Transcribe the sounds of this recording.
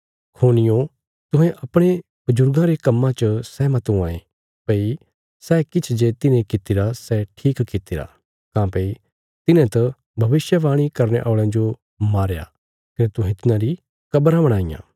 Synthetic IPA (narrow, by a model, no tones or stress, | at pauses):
kʰoːnɪjõ | t̪ʊ̃ɦɛ̃ʔɐpɽ̃e | b̥ʊd͡ʒʊɾɡãɾekɐmːãt͡ʃəsɛmɐt̪ũãːẽ | pɐi | sɛːkɪt͡ʃʰd͡ʒet̪ɪnẽkɪt̪ɪɾasɛʈʰiːkkɪt̪ɪɾa̰ | kãːpɐi | t̪ɪnẽt̪ɐ | bʱɐʋɪsjəʋaːɽ̃ikɐɾneʔɔːɭãd͡ʒo | maːɾja̰ | kɐnet̪ʊ̃ɦɛ̃t̪ɪnãɾi | kɐbɾãbɐɽ̃aːijã̰ː